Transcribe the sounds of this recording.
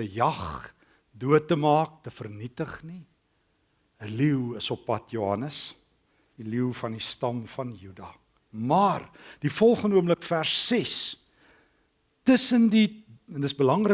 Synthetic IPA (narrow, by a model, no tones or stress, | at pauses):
əjɐχ | duətːəmɑːk̚təfərnitəχni | əliwəsɔpːɐtjuɦɐnəs | diliwfɐndistɐmfɐnjydɑː | mɑːrd̥ifɔlˠχənuəmləkfærsːɛs | təsəndindəsbəlɐŋrə